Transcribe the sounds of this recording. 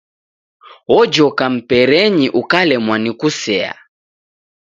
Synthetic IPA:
ɔd͡ʒɔkam̩pɛɾɛɲiʔukalɛmwanikusɛa̰

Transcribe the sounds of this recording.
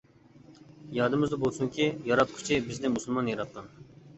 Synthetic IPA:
jɑd̪ɨmɨzd̪ɑbolˠsuŋkʲijɑɾɑt̪̚kʰʊ̥t͡ʃʰibɪznɪmuslˠmɑnjɑɾɑt̪̚qɑn

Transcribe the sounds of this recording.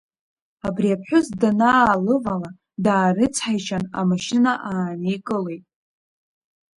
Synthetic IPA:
abriapʰħʷᶣʊzdanaːlɨvala | daːrɨt͡sʰħajʃʰana̰maʃɪnaʔaːnikʼɨle̞jtʼ

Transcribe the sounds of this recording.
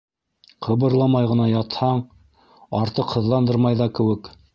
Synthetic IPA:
qʰɤ̆βɤ̆ɾlˠɑmɑjʁɤ̆nɑjɑt̪hɑɴ | ɑɾt̪ɤqhɤ̆ðlˠɑnd̪ɤɾmɑjðɑkɘ̆wɘk

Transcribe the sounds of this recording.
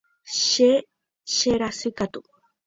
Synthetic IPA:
ʃe | ʃeɾasɨkat̪u

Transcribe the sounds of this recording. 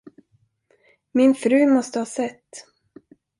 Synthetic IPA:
mɪnfɾʉ̟ːmɔst̪əhɑːsɛt̪ː

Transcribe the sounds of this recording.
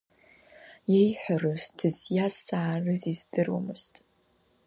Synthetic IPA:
jejħʷarɨstʰɨzjazaʕːrɨzizdɨrwṵmɨstʼ

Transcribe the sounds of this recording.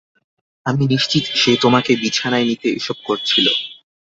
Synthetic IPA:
aminiʃt͡ɕit̪ʃet̪omakebit͡ɕʰanaenit̪eḛʃɔb̚koɾt͡ɕʰilo̰

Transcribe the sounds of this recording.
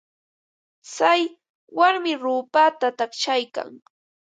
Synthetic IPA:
t͡saj | waɾmɪɾuːpat̪at̪aχt͡ʃajka̰ŋ

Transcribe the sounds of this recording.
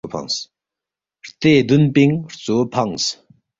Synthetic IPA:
pʰa̰ŋs | ht̪eɦd̪ənpiŋht͡sopʰaŋs

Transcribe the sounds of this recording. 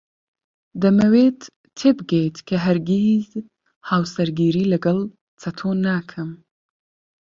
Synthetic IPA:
d̪ɐmɐweːt̪ːʰ | eːbɨɡejt̪kʰɐɦɐɾɡiz | haːwsɐɾɡiːɾiːlɐɡɐlˠ | t͡sʰɐt̪ʰoːnaːkʰɨm

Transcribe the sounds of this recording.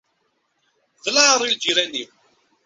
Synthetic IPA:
ðlaʕɾˤild͡ʒiɾæni

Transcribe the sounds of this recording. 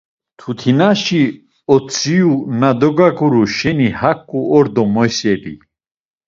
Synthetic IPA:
t̪ʰut̪ʰinaʃi | ɔt͡sʰʼiunad̪ɔɡakʼuɾuʃɛnihakʼːuɔɾd̪ɔmɔjsɛɾḭ

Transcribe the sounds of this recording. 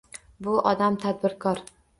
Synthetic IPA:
bʊʔɒd̪amt̪ʰad̪̚bɪɾkʰɒɾ

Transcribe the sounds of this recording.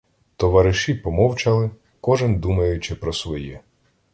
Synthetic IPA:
t̪ɔʋɐɾɪʃipɔmɔwt͡ʃɐlˠɪ | kɔʒɪnd̪umɐjʊt͡ʃɪpɾɔsʋɔjɛ

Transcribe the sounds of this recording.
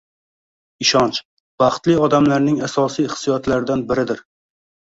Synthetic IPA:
ɪʃɒnt͡ʃ | b̥ɑχt̪lɪɒd̪amlaɾnɪŋasɒsijχsijɒt̪laɾɪd̪anbɪɾɪd̪ɪɾ

